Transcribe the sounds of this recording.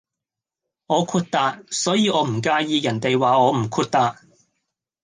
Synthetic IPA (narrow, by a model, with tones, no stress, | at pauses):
ɔː˨˧kʰuː˧t̚t̪aː˧t̚sɔː˨˥jiː˨˧ʔɔː˨˧m̩˨˩kaː˧jiː˧jɐ˨˩nt̪e˨jwaː˨ɔː˨˧m̩˨˩kʰuː˧t̚t̪aː˧t̚